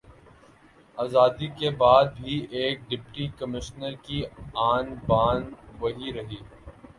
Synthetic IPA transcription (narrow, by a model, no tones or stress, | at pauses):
aːzaːd̪ikebaːd̪̚bʱiʔeːk̚ɖɪpʈikɐmɪʃnəɾkiaːnbaːnʋɐɦiɾɐɦiː